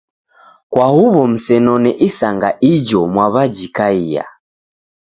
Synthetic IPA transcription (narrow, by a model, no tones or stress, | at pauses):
kwahuβɔm̩sɛnɔnɛʔisaŋɡaʔid͡ʒɔmwaβad͡ʒikaija̰